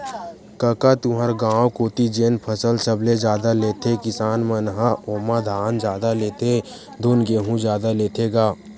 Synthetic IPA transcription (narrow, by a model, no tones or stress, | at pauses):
kəkat̪ʊɦəɾɡãːwkoːt̪id͡ʒeːnpʰəsəlsəbled͡ʒjaːd̪aleːt̪ʰekɪsaːnmənɦaʔoːmad̪ʱaːnd͡ʒjaːd̪aleːt̪ʰe | d̪onɡeːɦũd͡ʒjaːd̪aleːt̪ʰeːɡaː